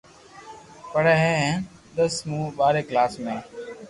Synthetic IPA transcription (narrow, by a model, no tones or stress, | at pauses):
pəɽeːɦẽːɦɛ̃ | d̪əsmũːɓaːɾeːklaːsmẽː